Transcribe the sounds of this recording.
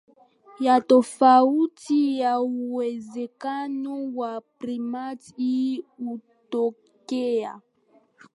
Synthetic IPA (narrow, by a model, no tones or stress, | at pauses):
jatɔfautijauwɛzɛkanɔwapɾimatiutɔ | kɛa̰